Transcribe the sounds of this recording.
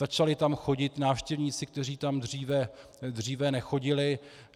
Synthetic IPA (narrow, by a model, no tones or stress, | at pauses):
at͡ʃalɪt̪amxo̞ɟɪt̪naːfʃcɛvɲiːt͡sɪk̚t̪ɛr̝iːt̪amd̪r̝iːvɛ | d̪r̝iːvɛnɛxo̞ɟɪlɪ